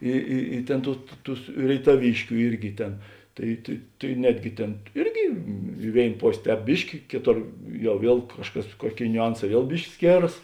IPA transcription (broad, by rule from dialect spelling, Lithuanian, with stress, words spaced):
ˈɪ ɪ ɪ ˈtʲeːn ˈtuː tʊ ˈtʊs rʲeːɪtɐˈʋʲiːʃʲkʲʊ ˈɪrʲɡʲɪ ˈtʲeːn ˈtɐɪ tɐɪ tɐɪ ˈnʲæːdʲɡʲɪ ˈtʲeːn ˈɪrʲɡʲɪ ɪ ˈʋʲeːɪn ˈpoːsʲ ˈtʲɛːp ˈbʲɪʃʲkʲɪ ˈkʲeːˌtoːr ˈjɛʊ ˈʋʲiɛlˠ ˈkɑːʃˌkɐs ˈkuɔˌkʲeːɪ nʲʊˈɐnˌsɑː ˈʋʲiɛlˠ ˈbʲɪʃʲkʲɪ ˈsʲkʲeːrɐs